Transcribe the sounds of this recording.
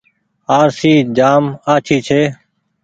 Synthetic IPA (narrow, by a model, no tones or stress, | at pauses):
aːɾsiːd͡ʒaːmaːt͡ʃʰiːt͡ʃʰeː